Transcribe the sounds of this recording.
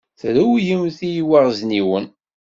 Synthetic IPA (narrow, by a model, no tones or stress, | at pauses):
θɾæwjəmθijiwaʁzniwən